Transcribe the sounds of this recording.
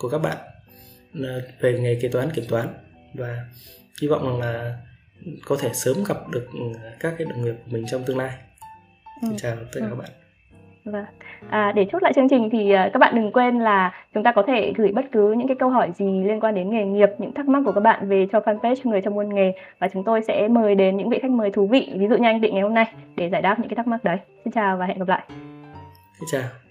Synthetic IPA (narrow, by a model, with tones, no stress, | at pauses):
ku˧˩əka˦˥k̚ɓa̰ː˧˨n | ə˨˩ve˧˩ŋe˨˩ki˨˦˩t̪waː˨˦nki˧˩əmt̪waː˨˦n | vaː˨˩ | hi˧vɔ̰˧˨wza˨˩ŋlaː˨˩ | kɔ˨˦t̪ʰe˧˩səː˨˦mɣa˨˩p̚ɗɨ˨˩ək̚kaː˦˥k̚ːaː˨˦jɗə˨˩wŋ͡mŋi˨˩əp̚ku˧˩əmï˨˩ŋ̟t͡ɕɔ˧wŋ͡mt̪ɨ˧əŋlaː˧j | i˨˦ŋt͡ɕaː˨˩w̪əː˦kaː˨˧˨a˦˥ɓa̰ː˧˨ | vːʔəː˨˩ɗe˧˩t͡ɕu˦˥la̰ː˧˨jt͡ɕɨ˧əŋt͡ɕï˨˩ŋ̟t̪ʰi˨˩ʔəː˨˩ka˦˥k̚ɓa̰ː˧˨nɗɨ˨˩ŋkwe˧nlaː˨˩t͡ɕʊ˨˦ŋ͡mt̪aː˧kɔ˨˦t̪ʰe˧˩ɣɨ˧˩jɓə˦˥t̚kɨ˨˦ɲɨ̰˧˥ŋkaː˨˦jkə˧wɦɔ˧˩jzi˨˩li˧ənkwaː˧nɗe˨˦nŋe˨˩ŋi˨˩əp̚ɲɨ̰˧˥ŋt̪a˦˥k̚ma˦˥kːka˦˥k̚ɓa̰ː˧˨nve˨˩t͡ɕɔ˧faː˧npe˦˥t͡ɕɔ˧ŋɨ˨˩əjt͡ɕwŋ͡mʔu˧ənŋe˨˩vaː˨˩t͡ɕʊ˨˦ŋ͡mt̪o˧jsɛ̰˧˥məː˨˩jɗe˨˦nɲɨ̰˧˥ŋvḭ˧˨xa˦˥k̟̚məː˨˩jt̪ʰu˨˦vḭ˧˨vi˨˦zṵ˧˨ɲa˧ʔŋ̟vḭ˧˨ŋa˨˩jho˧mna˧jɗe˧˩zaː˧˩jɗ̪aː˦˥ɲɨ̰˧˥a˨˦t̪ʰːk̚ma˦˥k̚ɗə˨˦jsi˧nt͡ɕaː˨˩wvaː˨˩ɦɛ̰˧˨nɣ̚la̰ː˧˨ʔ | si˧˦t͡ɕaː˨˩w